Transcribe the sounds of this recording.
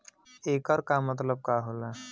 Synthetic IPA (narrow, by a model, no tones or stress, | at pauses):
ekəɾkamːət̪̬ləb̚kaɦola